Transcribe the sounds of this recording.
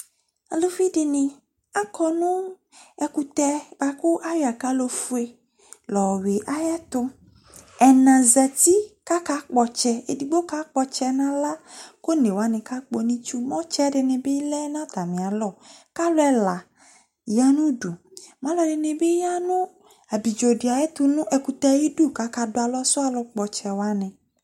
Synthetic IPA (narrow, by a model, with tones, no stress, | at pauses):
a˨lo˦fi˦de˨nẽ˨ | a˦kɔ˨nũ˦ | ɛ˨ku˨t̪ɛ˦ba˦ku˦ʔa˦ja˨ka˦lo˦fu˦e˦ | lɔ˨we˨ʔa˦ja˦t̪ʊ˧ | ɛ˨nã˨zɛ˨t̪i˦ka˦ka˦k͡pɔ˨t͡ʃɛ˦e˨di˨ɡ͡bo˦ka˦k͡pɔ˨t͡ʃɛ˦nã˦la˦ko˦nẽ˨wa˨˦nɛ̃˨ka˦k͡po˦nĩ˦t͡ʃu˦mɔ̃˦t͡ʃɛ˦dɪ˨nẽ˨be˦lɛ˦nã˦t̪a˨mĩ˨a˨lɔ˦˨ka˦lʊ˦ɛ˦la˨ | ja˦nũ˦du˨mã˨˦lɔ˨dɪ˨nẽ˨be˦ja˦nʊ̃˦ | a˨bi˨d͡ʒo˨di˨a˨jɛ˦t̪ʊ˦nʊ̃˦ʔɛ˨ku˨t̪a˦ji˦du˦˨ka˨˦ka˨dʊ˨˦a˨lɔ˦sʊ˦a˨lɔ˧k͡pɔ˨t͡ʃɛ˨wa˦nɛ̃˨